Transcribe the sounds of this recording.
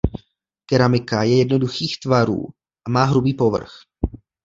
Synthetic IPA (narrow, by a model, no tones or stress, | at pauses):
kɛɾamɪkajɛjɛdno̞duxiːxt̪vaɾṵː | ʔamaːɦɾubiːpo̞vr̩x